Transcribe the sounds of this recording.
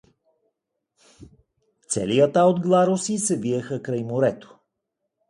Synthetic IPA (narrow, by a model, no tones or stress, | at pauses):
t̪sɛ̰lijət̪aod̪ɡlˠaɾosisɛviəxəkɾɐjmoɾɛt̪o̥